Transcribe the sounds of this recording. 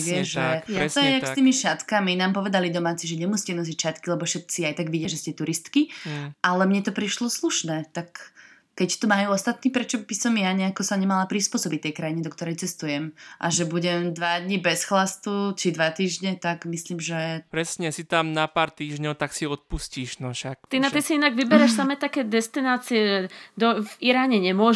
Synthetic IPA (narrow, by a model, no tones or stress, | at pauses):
ɡɪɛʒɛɛt̪ɔjɛakst̪iːmiʃat̪kaminaːmpɔʋɛd̪alid̪ɔmaːt͡siʒɛɲɛmusi̥cɛnɔzicʃat̪kilɛbɔfʃɛt̪̚t͡siajt̪aɡʋiɟɛʒɛscɛt̪uɾist̪kiʔalɛmɲɛt̪ɔpɾiʃlɔsluʃnɛːt̪akː | ɛct̪umajuːɔst̪at̪niːpɾɛt͡ʃɔbisɔmjaɲɛakɔsaɲɛmalapɾispʊɔsɔbic̚t̪ːɛjkɾajiɲɛd̪ɔk̚t̪ɔɾɛjt͡sɛst̪ujɛmʔa̰ʒɛbuɟɛmd̪ʋad̪ɲibɛsxlast̪ut͡ʃid̪ʋat̪iːʒɲɛt̪aɡmisliːmʒɛpɾɛsɲɛsit̪amnapaːɾt̪iːʒɲɔʊt̪aksiɔt̪̚pusciːʒnɔʃakt̪inaisiinaɡʋibɛɾɛʃsamɛːt̪akɛːd̪ɛst̪inaːt͡siɛʒɛd̪ɔviɾaːɲɛɲɛmʊɔ